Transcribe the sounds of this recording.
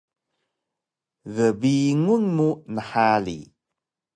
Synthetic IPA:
ɣəbiŋunmunəħalḭ

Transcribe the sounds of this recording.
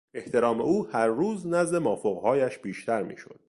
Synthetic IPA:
e̞ht̪ʰe̞ɾɒːme̞uːhæɾːuːznæzd̪e̞mɒːfoɣhɒːjæʃb̥iːʃt̪ʰæɾmḭːʃo̰d̪̥̚

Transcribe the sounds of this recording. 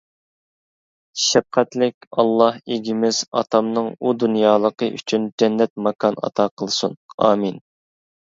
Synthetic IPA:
ʃɛp̚qʰɛt̪lɪkʲɑlˠːɑheɡʲimɪz̥ɑt̪ʰɑmnɨŋud̪unjɑːlˠəqəʔy̰t͡ʃʰynd͡ʒɛnːɛt̪̚mɑkʰɑnɑ̰t̪ʰɑqʰəlˠsunɑːmin

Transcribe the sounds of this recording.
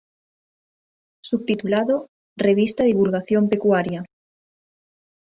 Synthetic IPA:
suβ̚t̪it̪ulaðo | reβ̞ist̪aðiβulɣaθjompekwaɾja

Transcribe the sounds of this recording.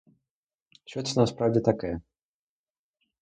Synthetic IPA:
ɕvʲɛt̪snaspɾavd͡ʑɛt̪akʲɛ

